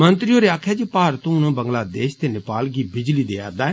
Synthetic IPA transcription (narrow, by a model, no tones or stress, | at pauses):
mənt̪ɾioːɾeːaːkʰɛːd͡ʒeːpaːɾət̪õːʊnõːbəŋɡlaːd̪eːʃt̪eːnɪpaːlɡiːbɪd͡ʒliːd̪eːa̰ːɾd̪aːɛː